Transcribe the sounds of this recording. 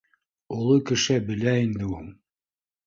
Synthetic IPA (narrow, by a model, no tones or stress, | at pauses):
ulˠɤkɘ̆ʃæbɘ̆læind̪ɘuŋ